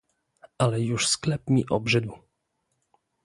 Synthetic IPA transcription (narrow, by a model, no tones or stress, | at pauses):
ʔalɛjuʂsklɛp̚mʲiʔɔbʐɘd̪w